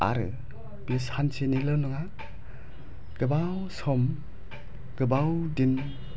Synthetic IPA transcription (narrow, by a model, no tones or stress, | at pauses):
a̰ɾɯ̰ | bishansenilɯluŋa | ɡ̥ɯbawsɔm | ɡ̥ɯbawdin